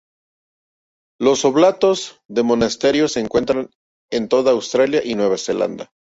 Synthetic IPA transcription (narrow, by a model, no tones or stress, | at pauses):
lo̞so̞βlat̪o̞z | ðe̞mo̞nast̪e̞ɾjo̞se̞ːŋkwe̞nt̪ɾan | ent̪o̞ðaːwst̪ɾaljaʔinwe̞βase̞la̰nd̪a